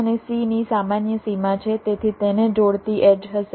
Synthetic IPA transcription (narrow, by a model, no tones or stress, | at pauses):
ənesinisamanjəsimat͡ʃʰet̪et̪ʰit̪ened͡ʒoɽt̪iʔeɖɦəʃe